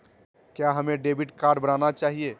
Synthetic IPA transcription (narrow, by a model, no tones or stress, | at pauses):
kjaɦəmeɖebiʈkaːɾɖbənanat͡ʃaːɦie